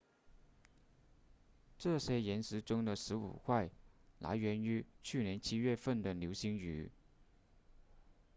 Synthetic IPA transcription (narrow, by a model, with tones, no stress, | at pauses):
ʈ͡ʂɤ˥˩ɕjɛ˥jɛ˧˥nsɻ̩˧˥ʈ͡ʂʊ˥ŋd̪ə˨ʂɻ̩˧˥ṵ˨˩xwa˥˩ɪla̰˧˥ɪɥɛ˧˥ny˧˥t͡ɕʰy˥˩njɛ˧˥nt͡ɕʰi˥ɥɛ˥˧fə˥˩nd̪ə˩ljo˧˥ʊɕi˧˥ŋy̰˧˥